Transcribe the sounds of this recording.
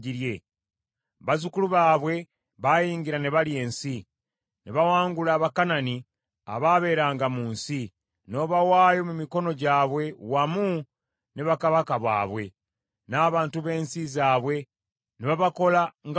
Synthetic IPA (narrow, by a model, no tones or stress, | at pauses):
iɾje̞ | βazukuluβaːβwe̞ | βajiːŋɡiɾaneβalje̞ːnsi | neβawaːŋɡulaːβakanani | a̰βaːβe̞ːɾaːŋɡamuːnsi | no̞ːβawaːjo̞mumiko̞no̞ɟaːβwe̞wamu | ne̞βakaβakaβa̰ːβwe̞̰ | naːβaːntuβe̞ːnsizaːβwe̞ | neβaβako̞laŋɡ